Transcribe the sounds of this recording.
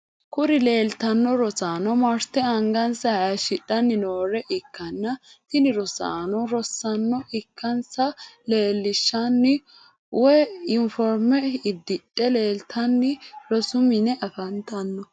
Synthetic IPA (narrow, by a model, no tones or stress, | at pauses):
kʊɾɪle̞ːlt̪ɐnːɔɾɔsaːnɔmɐɾt̪ɛɐŋɡɐnsɐjɐʃɪɗːɐnːɪnoːɾɛʔɪkːɐnːɐt̪ɪnɪɾɔsa̰ːnɔɾɔsːɐnːɔʔɪkːɐnsɐle̞ːlːɪʃːɐnːɪ | wɛɪnfɔɾmɛɪd̪ːɪɗʼːɛle̞ːlt̪ʰɐnːɪɾɔsʊmɪnɛʔɐfɐnt̪ɐnːɔ